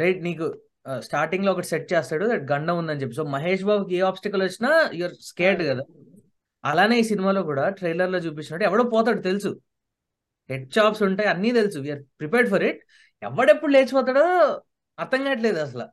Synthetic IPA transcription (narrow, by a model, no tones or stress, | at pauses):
ɾɐjʈniːku | sʈaːɾʈiŋloːɔkɐʈiseʈ̚t͡ʃeːst̪aːɽud̪ɛʈ̚ɡɐɳɖɐmund̪ɐnt͡ʃepːis̬oːmɐɦeːʃ̬baːbukieːaːpsʈɐkɐlʋɐt͡ʃːinaːjuʋɐɾskeːʈɡɐd̪aː | ɐlaːne̞ːiːsinimaːlo̞ːkuːɽaːʈɾejlɐɾlo̞ːt͡ʃuːp̬it͡ʃːnaɽɛʋɐɽoːpɔːt̪̬aːɽut̪e̞lusu | heɖ̚ʃaːpsuɳʈaːjɐnːiːt̪elsuʋijɐɾpɾipeːɾɖfɐɾiʈ̚ | ɛ̰ʋːɐɽepːuɽuleːt͡ʃupɔːt̪̬aːɽoː | ɐɾt̪ɐŋɡaːiʈ̬le̞ːd̪uɐs̬ɐlɐ̰